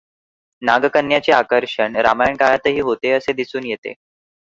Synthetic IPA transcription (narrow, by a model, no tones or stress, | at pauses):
naɡəkənjat͡ɕeakəɾʂəɳɾa̰majaɳkajat̪əɦiːɦot̪eəsed̪isuːnjet̪ḛ